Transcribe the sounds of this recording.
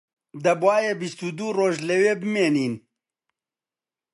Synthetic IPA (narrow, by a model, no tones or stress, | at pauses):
d̪ɐbwaːjebist̪ud̪uːroːʒlɐweːbɨmeːniːn